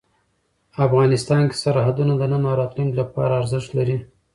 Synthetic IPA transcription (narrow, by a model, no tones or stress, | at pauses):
afɣɑnɪst̪ɑnke̥saɾhad̪unad̪ənənɑɾɑt̪liŋɡlapɑ̰ɾaːɾzɪʃt̪laɾi